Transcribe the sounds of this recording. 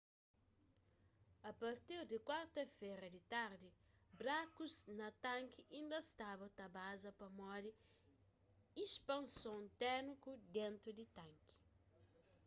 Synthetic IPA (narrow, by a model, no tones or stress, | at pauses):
ɐpɐɾt̪iɾd̪ikwaɾt̪ɐfeɾɐd̪it̪aɾd̪ibɾakuznɐt̪ãŋkiʔĩnd̪ɐst̪abɐt̪ɐbazɐpɐmɔdi | ispɐ̃nsõnt̪ɛɾnikud̪ẽnt̪ɾud̪it̪ãŋki̥